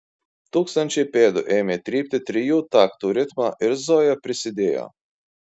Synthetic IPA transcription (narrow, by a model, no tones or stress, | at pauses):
t̪uːksɐnʲt͡ʃipʲeːd̪ʊʔɛːmʲɛt̪ʲɾʲiːp̚t̪ɪt̪ɾijuːt̪akt̪uɾɪt̪maʔɪɾzɔːjɐpɾɪsʲɪd̪ʲeːjɔ̰